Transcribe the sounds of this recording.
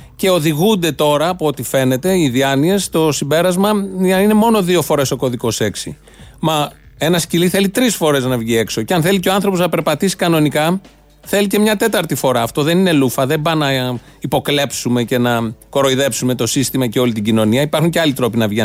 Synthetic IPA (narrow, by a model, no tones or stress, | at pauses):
ce̞o̞ðiɣund̪e̞t̪o̞ɾɐːpoo̞t̪ife̞ne̞t̪e̞iðiɐnie̞st̪o̞simbe̞ɾɐzmɐɐine̞mo̞no̞ðio̞foɾe̞so̞ko̞ðiko̞se̞ksḭ | mɐ | e̞nɐsciliθe̞lit̪ɾisfo̞ɾe̞znɐvʝie̞kso̞ceɐnθe̞liceo̞ɐnθɾo̞poznɐpeɾpɐt̪isi̥kɐno̞nikɐ | θe̞lice̞mɲɐt̪e̞t̪ɐɾt̪ifo̞ɾɐːft̪o̞ðe̞nine̞lufɐðe̞bɐnɐ | ipo̞kle̞psume̞ce̞nɐko̞ɾo̞iðe̞psume̞t̪o̞sist̪imɐceo̞lit̪iɟino̞niɐipɐɾxuɲceɐlit̪ɾo̞pinɐvʝe